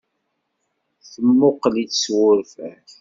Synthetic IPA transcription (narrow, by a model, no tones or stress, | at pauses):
θəmːʊqlit͡sswʊɾfæθ